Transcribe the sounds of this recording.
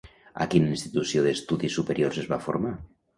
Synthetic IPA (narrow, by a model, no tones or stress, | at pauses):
a̰kininst̪it̪usjoðest̪uðisːupeɾjoɾrsezβafoɾma